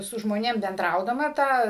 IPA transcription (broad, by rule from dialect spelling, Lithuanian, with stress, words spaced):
sʊ ʒmoːˈnʲeːm bʲɛnˈdrɐʊdɐmɐ ˈtɑː